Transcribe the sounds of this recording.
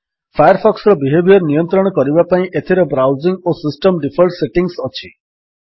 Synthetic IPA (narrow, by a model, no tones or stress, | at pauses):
pʰajɔɾpʰɔksɾɔbiɦebʱjɔɾnijɔnt̪ɾɔɽ̃ɔkɔɾibapaĩʔet̪ʰiɾebɾawziŋɡosisʈɔmɖipʰɔlʈseʈiŋsɔt͡ʃʰi